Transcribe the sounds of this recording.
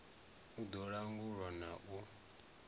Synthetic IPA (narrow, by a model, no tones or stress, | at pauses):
ud̪ɔɺaŋɡuɺɔnaʔu